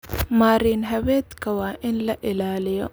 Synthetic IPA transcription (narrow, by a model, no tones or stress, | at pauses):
maːɾiːnɦɐwɛːd̪kʰɐwaːʔɪnlɐʔɪlaːlɪjɔ̰